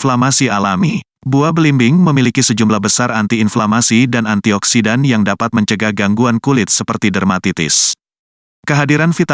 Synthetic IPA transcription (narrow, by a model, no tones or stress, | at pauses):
flamasialami | buabəlimbɪŋməmilikisəd͡ʒumlahbəsarant̪iːnflamasidanant̪iɔksidanjaŋdapat̪̚məɲt͡ʃəɡaɡaŋɡuankulɪt̪̚səpərt̪idərmat̪it̪ɪ̰s | kəɦadiɾanfit̪